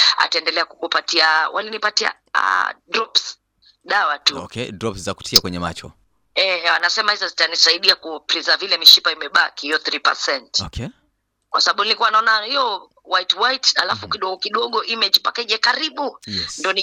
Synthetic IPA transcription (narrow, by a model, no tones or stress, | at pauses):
a̰taɛndɛlɛakukupatiawʔalinipatia̰ | a̰dɾɔps | ɗawatuɔkɛdɾɔpszaku̥tʰiakwɛɲɛma̰t͡ʃɔ̰ | ɛanasɛmahizazitanisaiɗiakupɾizavilɛmiʃipaimɛɓa̰kihiɔθɾipa̰sɛntɔkɛ | kwasaɓaɓunilikuwanaɔnahiɔ | wajitwaita̰lafukiɗɔɔkiɗɔɠɔʔimɛd͡ʒipakaiʄɛkaɾiɓujɛndɔni